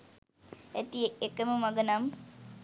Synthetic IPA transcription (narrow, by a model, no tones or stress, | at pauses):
æt̪ieekəməmaɡənam